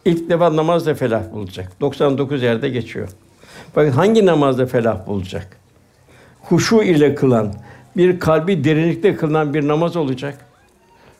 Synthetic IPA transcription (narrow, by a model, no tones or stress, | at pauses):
ilʲcd̪efanamazlˠafelʲafbulˠud͡ʒakd̪̥o̞ksand̪o̞kuzjæɾd̪ɛɟe̞t͡ʃʰijo̰ | fakɯt̪ɦaɲɟinamazlˠafelʲafbulˠud͡ʒa̰k | huʃuilʲɛkʰɯlˠanbiɾkʰalʲbid̪e̞ɾinlʲicʲt̪ʰɛkʰɯlˠɯnanbiɾnamazo̞lˠud͡ʒak